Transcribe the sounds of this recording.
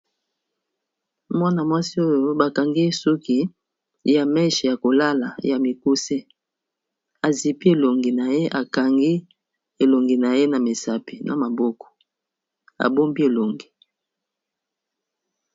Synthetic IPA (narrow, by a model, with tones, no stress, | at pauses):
mwa˦na˨mwa˦si˦o˦jo˦ba˨ka˨ŋɡi˦so˦ki˦ | ja˨mɛ˦ʃja˨ko˨la˦la˨ja˨mi˨ku˦se˦ | a˨zi˨pi˦e˨lo˨ŋɡi˨na˨je˦ʔa˨ka˨ŋɡi˦ | e˨lo˨ŋɡi˨na˨je˦na˨me˨sa˨pi˨na̰˨ma˨bɔ˦kɔ̥˨ | a̰˨bo˦mbi˦e˨lo˨ŋɡi˨